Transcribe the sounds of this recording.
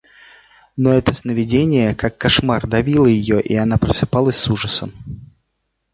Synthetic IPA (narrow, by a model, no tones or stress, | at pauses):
noɛt̪əsnəvʲɪdʲenʲɪjəkakːɐʂmard̪ɐvʲilˠəjɪjoʔianapɾəsɨpɑlˠəsʲsuʐəsəm